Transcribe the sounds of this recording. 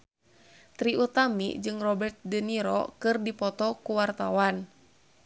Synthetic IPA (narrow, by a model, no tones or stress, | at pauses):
t̪ɾiut̪amḭd͡ʒɨŋrɔbɛrt̪̚dəniɾɔ̰kɨrdipɔt̪ɔkuwart̪awan